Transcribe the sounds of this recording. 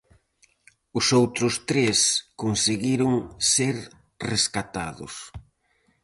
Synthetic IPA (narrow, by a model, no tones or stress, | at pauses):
ʊsowt̪ɾʊst̪ɾeskonseɣiɾʊŋseɾ | reskat̪aðʊ̰s